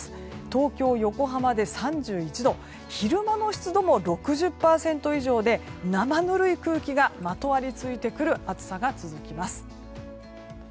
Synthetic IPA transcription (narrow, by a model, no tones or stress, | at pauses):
sɨ̥ | t̪o̞ːkʲo̞ːjo̞ko̞ɦamad̪e̞sãɲ̟d͡ʑɨːit͡ɕid̪o̞ | çiɾɯ̟mano̞ɕi̥t͡sɨd̪o̞mo̞ɾo̞kɯ̟ʑɨpːaːsẽ̞nt̪o̞iʑo̞ːd̪e̞namanɯ̟ɾɯ̟ikɯ̟ːkʲiɡamat̪o̞βaɾʲit͡sɨit̪e̞kɯ̟ɾɯ̟ʔat͡sɨ̥saɡat͡sɨzɨkʲimasɨ̥